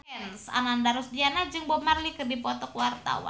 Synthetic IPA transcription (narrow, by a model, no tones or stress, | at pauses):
ɛnsa̰nandaɾɔsdianad͡ʒɨŋbɔmarlikərdipɔt̪ɔkwart̪a̰wa̰